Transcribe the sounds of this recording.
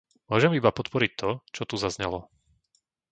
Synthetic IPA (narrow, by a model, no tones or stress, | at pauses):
mʊɔʒɛmibapɔt̪pɔɾic̚t̪ɔt͡ʃɔt̪uzazɲɛlɔ